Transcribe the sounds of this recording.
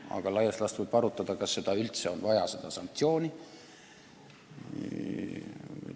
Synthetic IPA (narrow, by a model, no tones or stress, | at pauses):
ɑ̰ɡ̥ɑlɑjɑstlɑst̪vɤjb̥ɑɾut̪ːˑɑd̪̥ɑkɑsːe̞d̪̥ɑylt̪se̞o̞nvɑjɑse̞d̪̥ɑsɑŋk̚t̪sio̞ːni